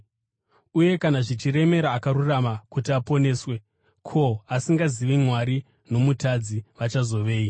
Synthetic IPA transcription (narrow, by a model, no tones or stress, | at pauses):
uje̞kanaʐit͡ʃire̞me̞ɾaːkaɾuramakutiapo̞ne̞ːswe̞ | kʰo̞asiŋɡaziʋimwaɾi | no̞mutad͡ziʋat͡ʃazo̞ʋe̞ːi